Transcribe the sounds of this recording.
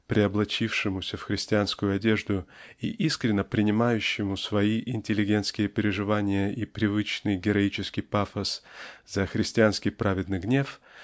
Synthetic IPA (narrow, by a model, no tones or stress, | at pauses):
pɾʲɪɐblˠɐt͡ɕifʂɨmʊsʲəfxɾʲɪsʲtʲɪanskʊjʊɐdʲe̞ʐd̪ʊiʔiskɾʲɪnːəpɾʲɪnʲɪmajʉɕːɪmʊsvɐiʔɪnʲtʲɪlʲːɪɡʲe̞nt̪skʲɪjəpʲɪɾʲɪʐɨvanʲɪjəʔipɾʲɪvɨt͡ɕnɨjɡʲɪɾɐit͡ɕɪskʲɪjpafəsz̥əxɾʲɪsʲtʲɪanskʲɪjpɾavʲɪd̪nɨjɡnʲe̞f